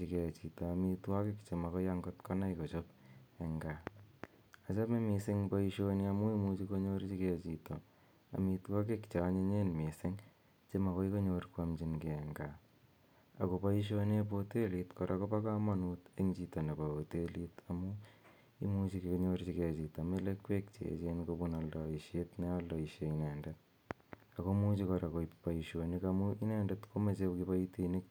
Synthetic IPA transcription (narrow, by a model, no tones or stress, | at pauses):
t͡ʃikɛt͡ʃitaːmitwakekt͡ʃemakɔjaŋɡotkɔnaikot͡ʃopɛŋɡa | at͡ʃamemisɪŋpaiʃoniamuimut͡ʃikoɲoɾt͡ʃikɛt͡ʃitɔ | a̰mitwak̬ekt͡ʃaɲeɲenmisɪŋ | t͡ʃemakɔikoɲoɾkwamt͡ʃinkeɛŋɡa | a̰kopaiʃ̬onep̬otelitkoɾʔakopakamanuteŋt͡ʃitonepaotelitamu | ḭmut͡ʃikekoɲort͡ʃiket͡ʃitamelekwek̚t͡ʃḛt͡ʃenkobunaldɔiʃjetnealdɔiʃeinɛːndet̚ | akomut͡ʃikɔɾakoipaiʃonikamuinɛndɛtkomet͡ʃekipaitinik̚